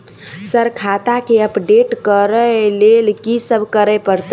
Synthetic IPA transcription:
səɾkʰat̪akeəpɖeʈkəɾəlelkisəbʱkəɾəpəɾt̪

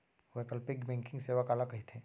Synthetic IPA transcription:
ekəlpɪkbɛ̃ːŋkɪ̃ŋɡseːʋakaːlakɐɦit̪ʰẽː

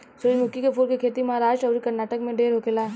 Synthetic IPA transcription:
sʊɾd͡ʒmʊkːikepʰuːɾkikʰeːt̪imaɾaːd͡ʒʈɐʋɾikɐɾnaːʈəkmẽɖeːɾɦokelaː

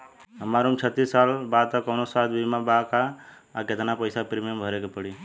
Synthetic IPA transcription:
ɦəmaɾumt͡ʃʰət̪ːisːalbad̪̚t̪akɔːnosad̪bimabakaː | ket̪napəjsapɾimembʱəɾekepəɽi

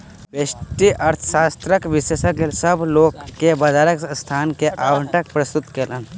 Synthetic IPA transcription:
ʋesʈiʔɐɾt̪ʰʃaːst̪ɾəkʋɪsesəkelsəbʱloːkːebɐd͡ʒaːɾəksst̪ʰaːnkeʔaːwəɳʈəkpɾəst̪ut̪keːlən

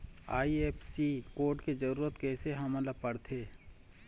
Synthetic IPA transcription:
aːieːpʰsikoːɾʈked͡ʒɐɾuːɾət̪kɛːseɦɐmãlapɐɽt̪ʰeː

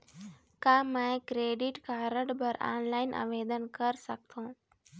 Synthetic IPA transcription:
kamə̃ẽkɾeːɖiʈkaɾəɖbəɾa̰ːnlainʔa̰ʋeːd̪ənkəɾsək̚t̪ʰõː

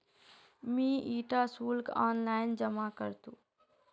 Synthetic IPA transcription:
mĩːʔiːʈasuːlkaːnlaːɪnd͡ʒəmakəɾt̪uː

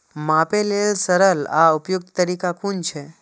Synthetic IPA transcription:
mãpelelsəɾəlaʊpjʊɡ̚t̪əɾikakʰunt͡ʃʰe

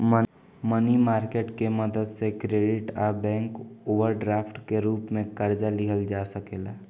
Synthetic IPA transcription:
mə | mənimaːɾkeːʈkeməd̪əd̪sekɾeːɖɪʈa̰bɛ̃ːŋkoːʋəɾɖɾaːpʰʈkeɾuːpmẽkəɾd͡ʒalɪɦəld͡ʒaːsəkeːla

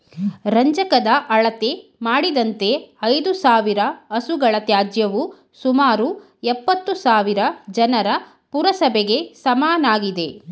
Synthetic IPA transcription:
ɾɐɲd͡ʒɐkɐd̪ɐʔɐɭɐt̪e̞maːɽid̪ɐnt̪e̞ɐjd̪usaːʋiɾɐːsuɡɐɭɐt̪jaːd͡ʒjɐʋu | sumaːɾu | ɛpːɐt̪ːusaːʋiɾɐd͡ʒɐnɐɾɐ | puɾɐsɐbʱeɡe̞sɐmaːnaːɡid̪e̞

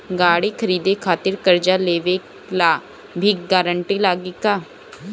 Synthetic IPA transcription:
ɡaːɽikʰəɾiːd̪ekʰaːt̪ɪɾkəɾd͡ʒaːleːʋeː | laː | bʱiɡaːɾəɳʈilaːɡikaː

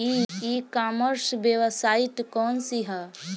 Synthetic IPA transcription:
iikaːməɾsbjəʋəsaːit̪kɔːnsiɦə

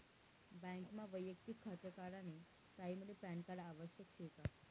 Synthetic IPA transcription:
bɛ̃ŋkmaʋəjːək̚t̪ikʰːat̪jəkaɾane | paɦiməd̪epɾæɳkalaːʋəɕjəkɕet̪a

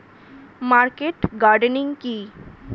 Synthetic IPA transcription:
maɾkeʈɡaɾɖniŋki

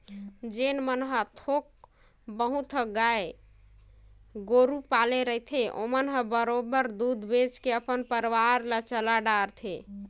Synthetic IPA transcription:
d͡ʒenmənɦət̪ʰok̚ | bəɦut̪ʰɡaj | ɡoɾupaleɾəɦit̪ʰeʔo̰mənɦəbəɾobəɾd̪ud̪ʱbed͡ʒkeəpənpəɾʋaɾlət͡ʃəlaɖaɾt̪ʰe

